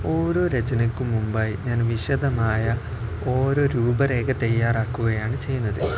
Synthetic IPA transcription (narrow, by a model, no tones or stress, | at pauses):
o̞ːɾo̞ːɾet͡ɕɐnɐkːumumbaːjɲaːnʋiɕɐd̪ɐmaːjɐ | o̞ːɾo̞ːɾuːbɐɾe̞ːket̪ɐjːaːraːkːuɣɐjaːɳɨt͡ɕe̞jːunːɐðɨ